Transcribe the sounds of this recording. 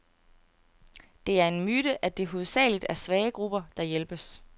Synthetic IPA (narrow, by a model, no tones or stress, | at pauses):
d̥e̝æɐe̝nmyːɾ̥əʔæd̥e̝ɦuð̩ˠsɛ̰ːlid̥æɐsʋɛːəɡ̥ʁub̥ɐd̥ɑ̈jelb̥əs